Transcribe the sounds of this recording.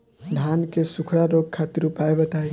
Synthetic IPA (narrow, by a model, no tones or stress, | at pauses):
d̪ʱankesukʰɽaɾoɡ̚kʰat̪iɾupaebət̪aj